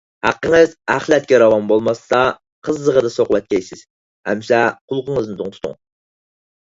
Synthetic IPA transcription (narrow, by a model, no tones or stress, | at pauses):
hæ̰qːəŋəzæχlˠɛt̪̚kʲɛɾɑwɑnbolˠmɑsːɑ | qʰəzːəʁəd̪ɑsoqwɛt̪̚ʲkʲʰɛjsɪz̥ | hɛ̰msɛqʰʊlˠqəŋəznɨt̪ʰʊŋt̪ʰu̥t̪ʰṵŋ